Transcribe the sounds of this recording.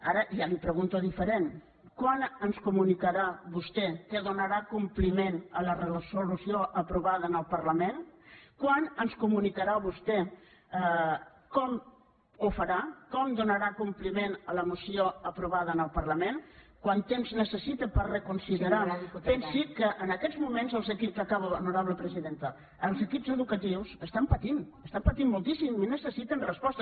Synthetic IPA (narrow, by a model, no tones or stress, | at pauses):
aɾəʔiamipɾəɣunt̪oðifəɾen | kwanənskumunikəɾaβust̪ɛkəðunəɾakumplimenələrəsulusioʔəpɾuβað̞ənəlˠpəɾləmenkwanənskumunikəɾaβust̪ɛ | kɔm | ufəɾakɔmd̪unəɾakumplimenələmusioəpɾuβaðənəlˠpərləmenkwant̪emznəsəsit̪əpərrəkunsiðəɾapɛnsikːəʔənəkɛzmumenzəlˠzəkipzəkaβənuɾaβləpɾəziðent̪ə | əlˠzəkipzəðukət̪iwzəst̪ampət̪inəst̪ampət̪imːulˠt̪isiminəsəsit̪ənrəspɔst̪ə